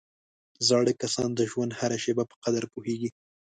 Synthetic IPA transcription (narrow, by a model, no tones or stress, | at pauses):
zɑɽəkasɑnd̪əʒwand̪haɾaʃebapə̥qad̪aɾpuheɡi